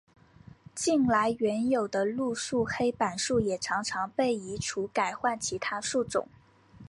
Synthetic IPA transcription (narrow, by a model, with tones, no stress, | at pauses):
t͡ɕi˥˩nla˧˥ɪɥɛ˧˥njo˨˩ʊd̪ə˦lu˥˧ʂu˥˩xe˥ɪpa˨˩nʂu˥˩jɛ˨˩ʈ͡ʂʰɑ˧˥ŋʈ͡ʂʰɑ˧˥ŋpe˥˩ɪi˧˥ʈ͡ʂʰu˧˥ka˨˩ɪxwa˥˩nt͡ɕʰi˧˥t̪ʰa˥ʂu˥˩ʈ͡ʂʊ̰˨˩˦ŋ